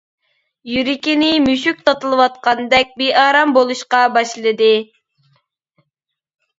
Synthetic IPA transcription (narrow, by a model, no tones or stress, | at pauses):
jyɾɪkʲinɪmyʃyk̚ʲt̪ʰɑt̪ɨlˠɨwɑt̪̚qɑnd̪ɛk̚ʲbeʔɑːɾɑmbolˠuʃqɑbɑʃlˠɨd̪ɨ